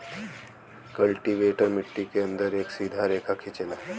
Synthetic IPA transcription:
kəlʈiʋeːʈəɾmɪʈːikeə̃nd̪əɾeːksiːd̪ʱaɾeːkʰakʰɪt͡ʃena

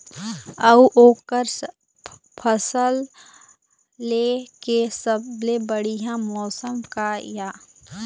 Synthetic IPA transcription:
ɐuʔoːkəɾ | pʰəsəl | lːeːkesəblebəɽijãmɔːsəmkajaː

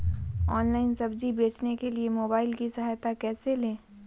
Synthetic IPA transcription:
ɔːnlaːɪnsɐbd͡ʒibeːt͡ʃnekeliemoːbaːɪlkisɐɦaːjt̪akɛːselẽː

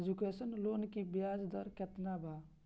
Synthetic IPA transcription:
d͡ʒukeːsənloːnkibjaːzd̪ɔɾkɛt̪nabʱaː

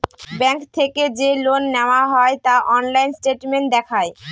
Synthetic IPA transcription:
bɛŋkt̪ʰeked͡ʑelonːɛoaɦɔet̪aʔɔnlajnsʈeʈmeɳʈ̚d̪ɛkʰae

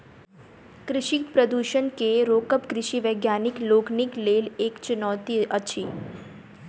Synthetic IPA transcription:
kɾɪʃikpɾəd̪uʃənkeɾokəpkɾɪʃiʋəɡjanikloːknikleleːkt͡ʃɪnɔːt̪iʔət͡ʃʰi

